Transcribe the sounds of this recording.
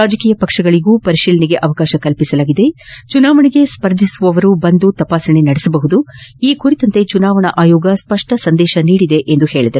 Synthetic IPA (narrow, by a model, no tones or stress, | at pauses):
aːd͡ʒɐkiːjɐpɐkʂɐɡɐɭiɡuːpɐɾiʃiːlɐniɡe̞ʔɐʋɐkaːʃɐkɐlpisɐlaːɡid̪e̞t͡ʃunaːʋɐɳiɡe̞spɐɾd̪ʱisuʋɐʋɐɾubɐnd̪ut̪ɐpaːsɐɳenɐɽisɐbɐɦud̪uiːkuɾit̪ɐnt̪e̞t͡ʃunaːʋɐɳɐʔaːjoːɡɐspɐʂʈɐsɐnd̪ɛːʃɐniːɽid̪e̞ʔend̪uhe̞ːɭid̪ɐɾu